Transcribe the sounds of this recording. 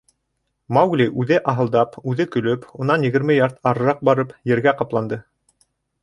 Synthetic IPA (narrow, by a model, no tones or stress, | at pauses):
mɑwɡlʲiʔʉðɘʔɑɦɤ̆lˠd̪ɑpʉðɘkɵ̆lɵpunɑnjɘ̆ɣɘ̆ɾmɘjɑɾt̪ɑɾɤ̆ɾɑq̚bɑɾɤpjɘ̆ɾɡæqɑplˠɑnd̪ɤ